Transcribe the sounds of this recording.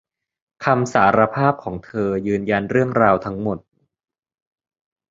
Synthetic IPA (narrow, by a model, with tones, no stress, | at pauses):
kʰa˧msaː˩˦ɾa˧pʰaː˥˩p̚kʰɔː˩˦ŋt̪ʰɤː˧jɯː˧nja˧nɾɯ˥˩əŋɾaː˧wt̪ʰa˦˥ŋmo˨˩t̪̚